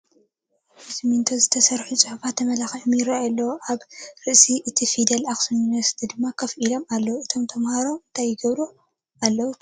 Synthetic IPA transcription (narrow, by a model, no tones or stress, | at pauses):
sɨmint̪ʰozɨt̪ʰɐsɐɾħut͡sʼɨħufat̪ʰːɐmɐlaxħmjɪɾɐjalːɐwoʔaβɾɨʔsiʔɨt̪ʰifid̪ɐlaxsuunvɐɾsi̥t̪ʰid̪ɨmːakʰɐfʔilo̞malːɐwuʔɨt̪ʰo̞mt̪ʰɐmhaɾo̞mɨnt̪ʰajːɪɡɐβɾo | ʔalːɐwu